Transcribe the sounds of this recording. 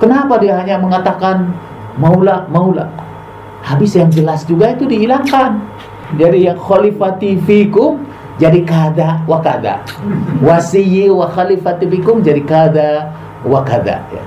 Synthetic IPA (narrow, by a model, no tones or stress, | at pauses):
kənapadiaɦaɲaməŋat̪akan | maulaʔmaula̰ʔ | habɪsjaŋd͡ʒəlasd͡ʒuɡait̪udiːlaŋkan | d͡ʒadijaŋxɔlifat̪ifikʊm | d͡ʒadikad̪awakad̪a̰wasijiwaxalifat̪ifikʊmd͡ʒadikad̪a | wakad̪a̰ja̰